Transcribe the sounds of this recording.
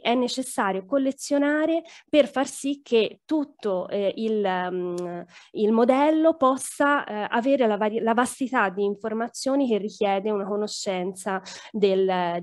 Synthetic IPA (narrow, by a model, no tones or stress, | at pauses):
ɛnːet͡ʃesːaːɾjokolːet̪sːjonaːɾeperfarsikʰːet̪ːut̪ːoil | ilmod̪ɛlːopɔsːaaveːɾelavalavast̪it̪ad̪ːiːɱformat̪sːjoːnik̟erːikjɛːd̪eunakonoʃːɛnt̪sad̪el